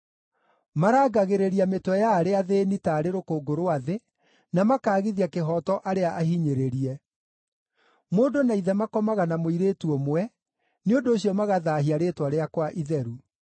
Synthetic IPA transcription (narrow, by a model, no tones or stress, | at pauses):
maɾaːɡaɣeɾeɾiametwɛjaːɾeaðeːnitaːɾeɾokoːɡoɾoaðe | namakaːɣiðiakeɦɔtɔʔaɾeaʔahiɲeɾeɾiɛ | moːdonaiðɛmakɔmaɣanamoiɾeːtuɔmwɛ | neondoːɕjɔmaɣaðaːɦiaɾeːtwaɾeakwaʔiðɛɾu